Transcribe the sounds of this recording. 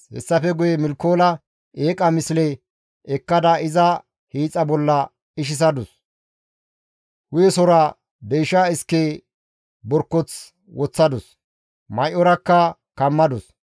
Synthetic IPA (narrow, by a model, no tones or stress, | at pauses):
hɛ̰sːɐfɛɡʊjɛmɪlkːoːlɐ | ʔeːkʼɐmɪsɪlɛ | ɛkːɐd̪ɐɪzɐ | hiːt͡sʼːɐbɔlːɐ | ɪʃ̬ɪs̬ɐd̪ɔs | hʊjɛsɔɾa | b̪ejʃaːɪskːe | bɔɾkːɔt͡s | wɔt͡sːɐd̪ɔs | mɐjʔɔɾɐkːɐkɐmːɐd̪ɔs